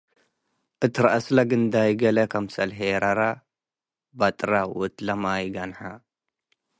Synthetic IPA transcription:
ʔɨt̪ʰɨɾaʔaslaɡɨnd̪ajɡɐlɐkʰɐmsɐlħeɾaɾa | bat̪ʼɾawɔt̪lɐmajɪɡanħa

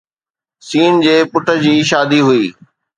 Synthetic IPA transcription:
siːnd͡ʑeːpʊʈʰə̆d͡ʑiːʃaːd̪iɦʊiː

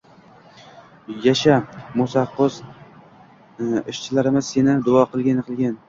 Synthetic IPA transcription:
jaʃamʊsɑqːʊz | ɪʃt͡ʃʰɪlaɾɪmɪzsenɪd̪ʊɒqʰɨlˠɡʲanqʰɨlˠɡʲan

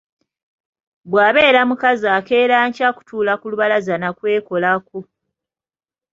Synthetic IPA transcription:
bwaːβe̞ːɾamukazake̞ːɾaːɲcaku̥tʰuːlakuluβalazanakwe̞ːko̞lako

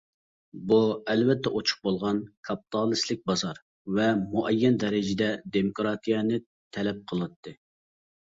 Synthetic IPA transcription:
buɛlvɛt̪ʰːɛʔot͡ʃʰʊ̥q̚bolˠʁɑnkʰɑpi̥t̪ʰɑlˠɨslɪk̚ʲbɑzɑɾ | vɛmuʔɛjːɛnd̪ɛɾɪd͡ʒɪd̪ɛd̪emokɾɑt̪ʰijɑnɨ | t̪ʰɛlɛp̚qʰəlˠɨt̪ʰːɨ

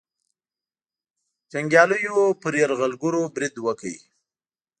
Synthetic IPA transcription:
t͡ʃaŋɡjɑləjopəɾjaɾɣalɡʊɾobɾɪd̪wəkajḭ

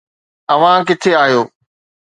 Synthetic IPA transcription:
ɐʋ̤ãkɪt̪ʰeaːɦijoː

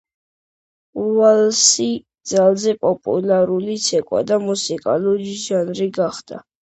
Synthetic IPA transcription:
ualsid̪zalˠzɛpʼɔpʼṵlaɾulit̪sʰɛkʼwa̰d̪amusikʼa̰luɾiʒanɾiɡaχd̪a̰

